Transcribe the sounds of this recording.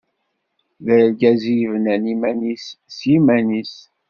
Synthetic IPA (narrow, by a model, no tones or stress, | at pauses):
ðəɾlɡæzijvənænimænissjimænis